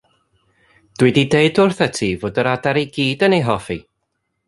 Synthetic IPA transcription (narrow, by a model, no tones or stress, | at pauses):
d̥wɪdideɨdʊrθətʰivoːdəɾadaɾeɡiːdənejɦɔfḭ